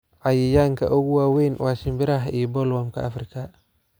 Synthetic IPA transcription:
ʔajijaŋka̰ʔɔɣuwawenwʔasimbɪɾaɦibɔlwamka̰ːfɾikʰa

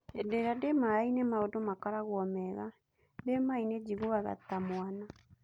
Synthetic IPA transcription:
edeɾademaainemaodomakaɾaɣwɔmɛɣa | demained͡ʒiɣoaɣa̰t̪amwana

